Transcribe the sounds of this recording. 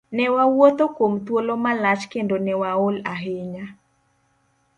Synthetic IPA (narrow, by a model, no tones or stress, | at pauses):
nɛwawot̪okomt̪wolomalat͡ʃkendonɛwaolaɦeɲa